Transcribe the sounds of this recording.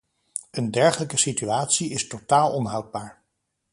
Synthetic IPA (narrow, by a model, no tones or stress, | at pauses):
əndɛɹχələkəsityaːtsiɪstotaːlˠɔnɦʌwd̚baːɹ